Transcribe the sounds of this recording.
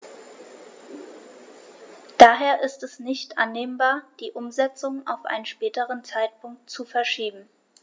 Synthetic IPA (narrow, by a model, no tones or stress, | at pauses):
d̥aːɦeːɐʔɪstɛsnɪçtʔa̰nːeːmbaːɐd̥iːʔʊmzɛt͡sʊŋa̰ʊfʔa̰ɪnənʃpɛːtəʁ̞ənt͡saɪt̚pʰʊŋk̚tt͡sufɛɐʃiːbm̩